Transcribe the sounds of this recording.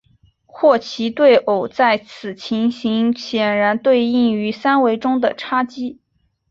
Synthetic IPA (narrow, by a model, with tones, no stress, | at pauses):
xwɔ˥˩t͡ɕʰi˧˥t̪we˥˩ɪʔo˨˩ʊt͡sa˥˩ɪt͡sʰɹ̩˨˩t͡ɕʰi˧˥ŋɕi˧˥ŋɕjɛ˨˩nɻa˧˥nt̪we˥˧ɪi˥˩ŋy˧˥sa˥nwe˧˥ɪʈ͡ʂʊ˥ŋd̪ə˨˩ʈ͡ʂʰa˥t͡ɕi˥